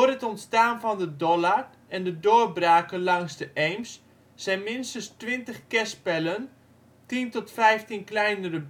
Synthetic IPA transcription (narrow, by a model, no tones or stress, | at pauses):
ərətɔntstaːnvɔndədɔlar | ɛndədoːrbraːkənlɑŋzdəʔɛjmsː | ɛjnmɪnstəstʋɪntəχkɛspɛlən | tintɔtfɛjftinklɛjnərəb